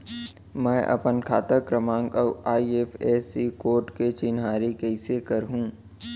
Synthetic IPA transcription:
mɛ̃ːʔɐ̰pənkʰa̰ːt̪əkɾəmãːŋɡɔaːieːfeːsikoːɾʈket͡ʃɪnɦaːɾikɛɪsekɐɾɦũː

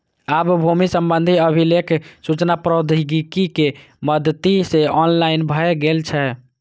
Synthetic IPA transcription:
abbʱumisəmbənd̪ʱiəbʱilekʰsut͡ʃnapɾəd̪ʱiɡikike | məd̪t̪iseɔnlainbʱəɛɡelt͡ʃʰɛ

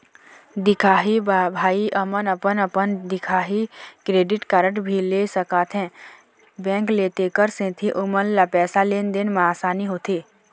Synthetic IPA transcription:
d̪ɪkʰaːɦibabʱaːiʔɐmənəpənəpənd̪ɪkʰaːɦikɾeːɖɪʈkaɾəʈbʱileːsəkaːt̪ɦɛ̃ | bɛ̃ːŋkleːt̪ekəɾsẽːt̪ʰiʔʊmənlapɛːsaleːnd̪enmaːsaːniɦoːt̪ʰeː

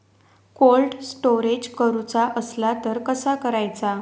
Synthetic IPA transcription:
kolʈsʈoɾed͡ʑkəɾut͡saʔəslat̪əɾkəsakəɾajt͡sa

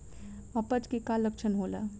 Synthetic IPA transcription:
ɐpət͡ʃkekaləkt͡ʃʰənɦoːla̰

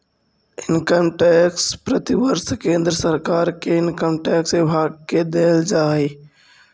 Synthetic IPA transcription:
ɪnkəmʈɛkspɾət̪iʋəɾskẽːnd̪ɾəsəɾkaːɾkeɪnkəmʈɛksɪbʱaːɡ̚ked̪eːld͡ʒaːi

